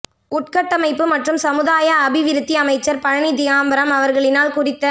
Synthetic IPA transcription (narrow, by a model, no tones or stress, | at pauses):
ʊʈ̚kɐʈːɐmɐɪpːɯmɐʈrɯmsɐmɯðaːjɐːbɪʋɪɾɯt̪ːiɐmɐɪt͡ʃːɐɾpɐɻɐɳid̪ɪjaːmbɐɾɐmɐʋɐɾɣɐɭɪnaːlkʊrɪt̪ːɐ